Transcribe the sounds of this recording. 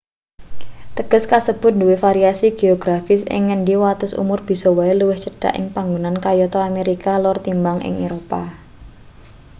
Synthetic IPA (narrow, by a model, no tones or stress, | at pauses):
t̪əɡ̥ə̤skasəb̥ʊt̪̚nduwɪfaɾiasiɡ̥eɔɡ̥ɾafɪsɪ̰ŋːənɖiwat̪ʊsṵmʊrb̥i̤sɔwaeluwɪht͡ʃəɖ̥a̰ʔɪ̰ŋpaŋɡunankajɔt̪ɔameɾikalɔrt̪imbaŋʔɪ̰ŋeɾopa